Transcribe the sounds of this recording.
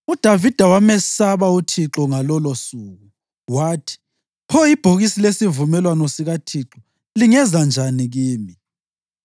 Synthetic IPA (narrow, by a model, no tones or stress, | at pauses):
ud̥ʱavid̥ʱawamɛsaβautʰiǁɔŋalɔlosuːɣu | waːtʰi̥ | pʰɔjib̥ʱoɣisilesivumɛlwanɔsiɣatʰiǁɔ | liŋɛzand͡ʒʱaniɣiːmi